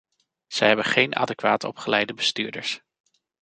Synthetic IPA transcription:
z̥ɛjɦɛbənχejnʔa̰ːdekʋaːtɔ̰pχəlɛjdəbəstyːɹdəɹs

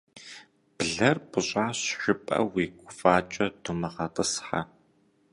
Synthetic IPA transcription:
b̥ɮɐrbɨɕʼaːɕʃɪpʼɐ̰wiːɡʷʊfaːt͡ʃʼɐdumɨʁɐtʼɨsħa̰

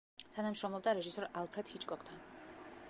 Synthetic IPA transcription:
t̪ʰanamʃɾɔmlˠɔb̚d̪aɾɛʒisɔɾalˠpʰɾɛd̪̥hit͡ʃʼkʼɔkʰt̪ʰan

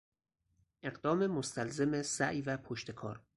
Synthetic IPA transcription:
ʔe̞ɢd̪ɒːme̞most̪ʰælzemesæʔjvæpʰoʃt̪ʰe̞kʰɒ̰ːɾ

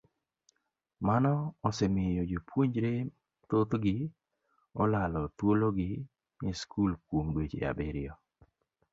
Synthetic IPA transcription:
manɔsɛmɪjod͡ʒopʰwoɲd͡ʒɾe | t̪ot̪ɡɪ | ɔlalɔt̪woloɡɪ | ɲeskʰulkwomdwet͡ʃḛa̰bɛɾɪɔ

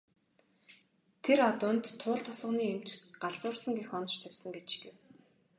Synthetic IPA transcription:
t̪ʰeɾat̪ʊːnt̪ʰːʊːɮt̪ʰɔsə̆niːem̥t͡ɕɢaɮt͡sʊ̆ːrsə̆ŋɡexɔnɞ̆ʃt̪ʰæwʲsə̆ŋɡet͡ɕɡew

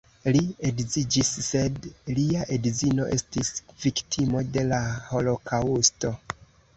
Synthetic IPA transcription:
lieɡzid͡ʒisːe̞dliaʔedzino̞ʔe̞stisviktʰimo̞de̞laho̞lo̞kausto̞

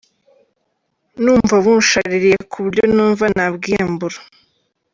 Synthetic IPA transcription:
nuːɱvaβunʃaɾiɾije̞kʰuβiɾjonuːɱvanabɡiambuɾḁ

